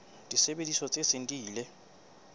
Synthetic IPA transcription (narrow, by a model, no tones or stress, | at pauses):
dʼisɛɓendisɔt͡sʼesentʼiːlɛ